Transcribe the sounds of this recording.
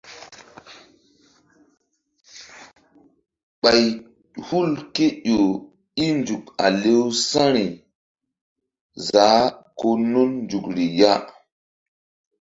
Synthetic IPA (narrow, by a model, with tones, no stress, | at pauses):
ɓa˨j | hu˦lke˦ɗo˨ | i˦nd͡ʒu˨k̚a̰˨le˦wsã˦ɾi˨ | za˨˦ko˦nu˦nnd͡ʒu˨kɾi˨ja˦